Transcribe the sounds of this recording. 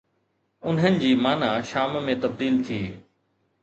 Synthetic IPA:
ʊnɦənɪ̆d͡ʑiːmaːnaʃaːmmẽt̪ɐb̚d̪iːlt̪ʰiː

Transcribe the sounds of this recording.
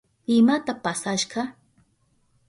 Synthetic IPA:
ɪmat̪apasaʃɢɑ

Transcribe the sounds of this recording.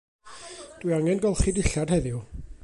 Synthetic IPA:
d̥wiaŋɛnɡɔlˠχidɪɬad̥hɛðju

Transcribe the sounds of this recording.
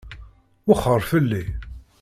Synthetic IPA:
wəχəɾˤfəlːi

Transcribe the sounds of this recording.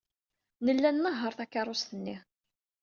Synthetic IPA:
nəlːænməɦːəɾˤθakːɑɾˤʊst̪ənːi

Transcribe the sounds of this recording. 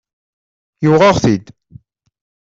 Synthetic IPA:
jʊʁɑʁθid̪

